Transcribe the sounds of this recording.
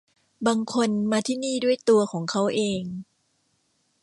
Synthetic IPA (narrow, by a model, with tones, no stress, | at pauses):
baː˧ŋkʰo˧nmaː˧t̪ʰiː˥˩niː˥˩du˥˩əjt̪u˧ɐkʰɔː˩˦ŋkʰa˦˥wʔeː˧ŋ